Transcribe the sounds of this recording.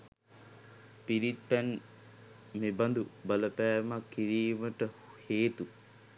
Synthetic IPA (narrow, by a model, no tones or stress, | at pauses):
piɾit̪̚pæn | meband̪ubɐləpæːmakːiɾiːməʈəheːt̪u